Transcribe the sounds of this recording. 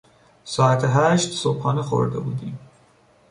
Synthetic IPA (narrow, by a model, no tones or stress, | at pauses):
sɑːat̪ʰɦæʃt̪sophɑːnexo̰ɾd̪abuːd̪im